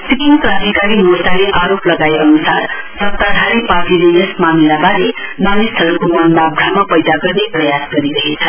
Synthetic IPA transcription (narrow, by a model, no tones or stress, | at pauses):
sikinklasikaɾimosaleʔaɾoplʌɡaeʌnusar | sʌk̚t̪ad̪ʱaɾipaʈilejesmamilabaɾenʌnest̪ʰʌɾukomʌnbabɾʱamapʌjd̪aɡʌrneprʌjasɡʌɾiɾʌɦet͡sʰʌ